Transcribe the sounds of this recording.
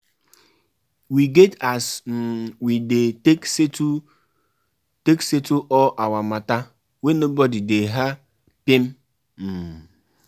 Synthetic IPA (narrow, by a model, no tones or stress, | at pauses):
wiɡetasm̩widekstu | teksetuʔɔʔawamata | wenobɔdideɦa | pim̩ | m̩